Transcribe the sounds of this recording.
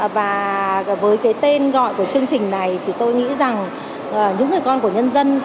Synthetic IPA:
vaː˨˩vəː˨˦jkaː˨˦jt̪e˧nɣɔ̰˧˨jku˧˩ət͡ɕɨ˧əŋt͡ɕï˨˩ŋ̟na˨˩jt̪ʰi˨˩t̪o˧jŋḭ˧˥za˨˩ŋ | ʔəː˨˩ɲɨ̰˧˥ŋɨ˨˩əjkɔ˧nku˧˩əɲə˧nzə˧n

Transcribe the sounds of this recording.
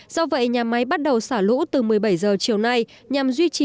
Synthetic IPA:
zɔ˧və̰˧˨jɲaː˨˩ma˨˦jɓa˦˥t̚ɗə˨˩wsaː˧˩lṵ˧˥t̪ɨ˨˩mɨ˨˩əjɓa˧˩jzəː˨˩t͡ɕi˧˩əwna˧j | ɲa˨˩mzwi˧t͡ɕi˨

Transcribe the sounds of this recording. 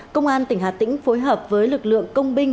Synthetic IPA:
kə˧wŋ͡mʔaː˧nt̪ï˧˩ŋ̟ɦa̰ː˨˩t̪ï˧˥ŋ̟fo˨˦jɦəː˨˩p̚vəː˨˦jlɨ˨˩k̚lɨ̰˧˨əŋŋkə˧wŋ͡mɓï˧ŋ̟

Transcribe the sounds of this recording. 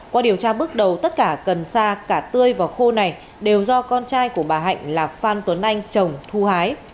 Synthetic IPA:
kwɔː˨˧˦ɗi˨˩əwt͡ɕaː˧ɓɨ˦˥ək̚ɗə˨˩wt̪ə˦˥t̚kaː˧˩kə˨˩nsaː˧kaː˧˩t̪ɨ˧əjvaː˨˩wxo˧na˨˩j | ɗe˨˩wzɔ˧kɔ˧nt͡ɕaː˧jku˧˩əɓaː˨˩ɦa̰˧˨jŋ̟laː˨˩faː˧nt̪wə˨˦nʔa˧jŋ̟t͡ɕə˨˩wŋ͡mt̪ʰu˧haː˨˦j

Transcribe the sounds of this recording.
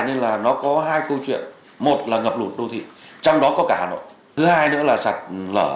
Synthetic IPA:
jɲə˧nlaː˨˩nɔ˨˦kɔ˨˦ɦaː˧jkə˧wt͡ɕwḭ˧˨ən | mo˨˩t̚laː˨˩ŋə˨˩p̚lu˨˩t̚ɗo˧t̪ʰḭ˧˨t͡ɕɔ˧wŋ͡mɗɔ˨˦kɔ˨˦kaː˧˩˨no̰˧˨ | ɨ˨˦haː˧jnɨ̰˧˥əlaː˨˩sa˨˩t̚lə̰ː˧˩

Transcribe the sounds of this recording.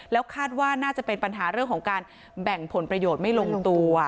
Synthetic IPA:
lɛː˦˥wkʰaː˥˩t̪̚waː˥˩naː˥˩t͡ɕa˨˩pe˧npa˧nɦaː˩˦ɾɯ˥˩əŋkʰɔː˩˦ŋkaː˧n | bɛ˨˩ŋpʰo˩˦npɾa˧joː˨˩t̪̚ma˥˩jlo˧ŋt̪u˧

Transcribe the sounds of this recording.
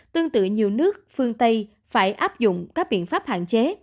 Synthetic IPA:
t̪ɨ˧əŋt̪ɨ̰˧˨ɲi˨˩əwnɨ˦˥ək̚fɨ˧əŋt̪ə˧j | faː˧˩jʔaː˦˥p̚zʊ̰˧˨ŋ͡mkaː˦˥k̚ɓḭ˧˨ənfaː˦˥p̚ha̰ː˧˨nt͡ɕe˨˦

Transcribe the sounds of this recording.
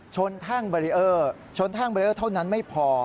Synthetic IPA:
t͡ɕʰo˧nt̪ʰaː˥˩ŋbɔː˧ɾi˦˥ʔɤː˥˩ | t͡ɕʰo˧nt̪ʰaː˥˩ŋbɔ˧i˧ʔɤː˥˩t̪ʰa˥˩wna˦˥nma˥˩jpʰɔː˧

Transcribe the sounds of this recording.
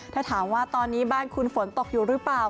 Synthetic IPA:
t̪ʰaː˥˩t̪ʰaː˩˦mwaː˥˩t̪ɔː˧nːiː˦˥baː˥˩nkʰu˧nfo˩˦nt̪o˨˩k̚juː˨˩ɾɯ˦˥plaː˨˩w

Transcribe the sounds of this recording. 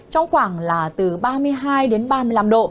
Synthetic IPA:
t͡ɕɔ˧wŋ͡mxwaː˧˩ŋlaː˨˩t̪ɨ˨˩ɓaː˧mɨ˧əjɦaː˧jɗe˨˦nɓaː˧mɨ˧əla˧mɗo̰˧˨

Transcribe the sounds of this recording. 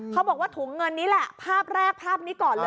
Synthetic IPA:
kʰa˦˥wbɔː˨˩k̚waː˥˩t̪ʰuː˩˦ŋːɤ˧nːiː˦˥lɛ˨˩ʔpʰaː˥˩p̚ɾɛː˥˩k̚pʰaː˥˩p̚niː˦˥kɔː˨˩nlɤː˧

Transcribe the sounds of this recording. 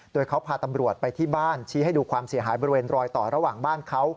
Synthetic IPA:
doː˧jkʰa˦˥wpʰaː˧t̪a˧mɾu˨˩ət̪̚pa˧jt̪ʰiː˥˩baː˥˩nt͡ɕʰiː˦˥ha˥˩jduː˧kʰwaː˧msi˨˩˦ɦaː˩˦jbɔː˧ɾi˧weː˧nɾɔː˧jt̪ɔː˨˩ɾa˦˧waː˨˩ŋbaː˥˩nkʰa˦˥w

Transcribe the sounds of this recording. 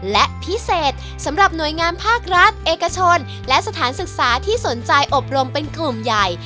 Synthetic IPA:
lɛ˦˥ʔpʰi˦˥seː˨˩t̪̚ | sa˩˦mɾa˨˩p̚nu˨˩əjŋaː˧npʰaː˥˩k̚ɾa˦˥t̪̚ʔeː˨ka˧t͡ɕʰo˧n | lɛ˦˥sa˧t̪ʰaː˩˦nsɯ˨˩k̚saː˩˦t̪ʰiː˥˩so˩˦nt͡ɕa˧jʔo˨˩p̚ɾo˧mpe˧nklu˨˩mja˨˩j

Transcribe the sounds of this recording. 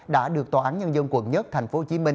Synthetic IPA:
ɗa̰ː˧˥ɗɨ˨˩ək̚t̪waː˨˩ʔaː˨˦nɲə˧nzə˧nkwə̰˧˩nɲə˦˥t̚t̪ʰa˨˩jŋ̟fo˨˦t͡ɕi˨˦mï˧ŋ

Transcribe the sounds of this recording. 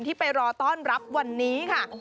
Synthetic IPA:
nt̪ʰiː˥˩pa˧jɾɔː˧t̪ɔː˥˩nɾa˦˥p̚wa˧nːiː˦˥kʰa˥˩

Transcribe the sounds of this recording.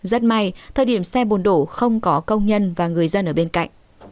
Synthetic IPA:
zə˦˥t̚ma˧˩jt̪ʰəː˨˩jɗi˧˩əmsɛ˧ɓo˨˩nɗo˧˩xə˧wŋ͡mkɔ˨˦kə˧wŋ͡mɲə˧nvaː˨˩ŋɨ˨˩əjzə˧nʔəː˧˩ɓe˧nka̰˧˨jŋ̟

